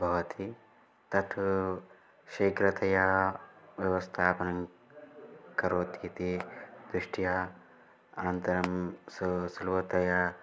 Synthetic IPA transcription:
bʱɐʋɐt̪ʰi | t̪ɐt̪ʰu | ʃɐːkɾɐt̪ʰɐja | ʋjɐʋɐst̪ʰaːpɐnɐŋ | kɐɾoːt̪it̪id̪ɾuʂʈʰija | ɐnɐnt̪ɐɾɐmssulʋɐt̪ɐja

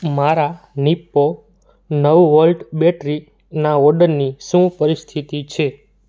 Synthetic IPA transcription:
maɾa | nipːo | nəʋʋəlɖbɛʈɾi | naɔɾɖəɾniʃũpəɾist̪ʰit̪it͡ʃʰe

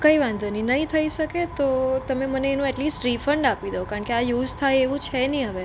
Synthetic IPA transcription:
kəiʋãnd̪ʱəninəɦĩt̪ʰəiʃəket̪ot̪əmeməneːnũɛʈlisʈɾifəɳɖapid̪əokaəɳkeajuːd͡ʒt̪ʰajeʋũt͡ʃʰɛnĩɦəʋe

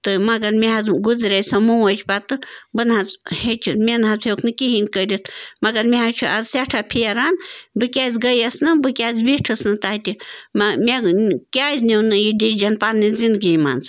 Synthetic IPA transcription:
t̪ɨmɐɡɐɾmeɦɐzɡuzɾʲɐjsɐmuwɐt͡ʃʰpat̪ɨbɨnɦazhet͡ʃʰunmʲenɦɐzhewkʰnɨkʲiɦinkəɾʲit̪ʰmɐɡɐɾmʲeɦat͡ʃʰuɐzsʲaʈʰapʰijɐɾanbɨkʲaːzʲɡɐjɐsnɨbɨkʲaːzbiʈʰɨsnɨt̪aɦt̪ʲimmʲekʲaːzʲnewnɨjiɖiɾid͡ʒɐnpanːizind̪ɡima̰nz

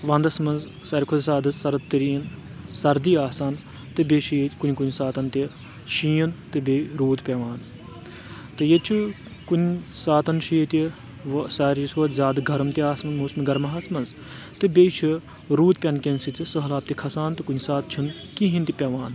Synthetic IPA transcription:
ʋɐ̃nd̪ɐsmɐnz | sɐːɾʲikʰod̪saːd̪ɨsɐɾɐd̪t̪ːɨɾiːn | sɐɾd̪iaːsaːn | t̪ɨbʲeʃijikunʲkunʲsaːt̪ɐnt̪i | ʃijɐnt̪ɨbʲeɾuːt̪pʲɐʋaːn | t̪ɨjet͡ʃʰu | kunʲsaːt̪ɐnʃijit̪ʲi | ʋsaːɾisʋɐt̪zʲaːd̪ɨɡʱɐɾɐmt̪iaːsmɐnmuːsmiɡɐɾmɐɦɐsmɐnz | t̪ɨbʲet͡ʃʰi | ɾuːt̪pʲɐnkʲensit̪ʲisəɦlaːp̚t̪ikʰɐsaːnt̪ɨkunʲsaːt̪̚t͡ʃʰin | kiɦint̪ipʲɐʋaːn

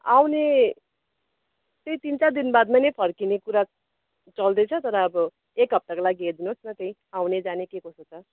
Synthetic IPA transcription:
awne | t̪eĩt̪int͡sad̪inbad̪majnʌjpʰʌrkinekuɾa | t͡sʌld̪ʌjt͡sʰʌt̪ʌɾʌːbʌ | ekɦʌp̚t̪akolaɡied̪inosnʌt̪ʌĩ | awned͡zanekekosot͡sʌ

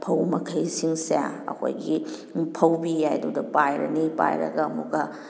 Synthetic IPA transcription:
pʰɐwmɐkʰɐjsiŋseja̰ɐ̰kʰo̰jɡipʰɐwbijajdudɐpajɾɐ̰nipa̰jɾɐ̰ɡɐːmuɡɐ

